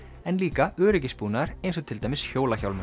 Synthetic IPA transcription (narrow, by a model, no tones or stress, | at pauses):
ɛnliːkaœːɾɪcɪspuːnaɾ̥ejnsɔt̪ʰɪlt̪ajmɪsçoːwlaçawlmʏ